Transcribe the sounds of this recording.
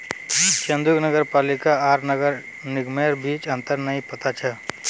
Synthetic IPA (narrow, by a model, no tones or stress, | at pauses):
t͡ʃɐ̃nd̪ʊknəɡəɾpaːlɪkaaːɾnəɡəɾ | nɪɡmeːɾbiːt͡ʃə̃nt̪əɾnɐɦĩpɐt̪at͡ʃʰɐ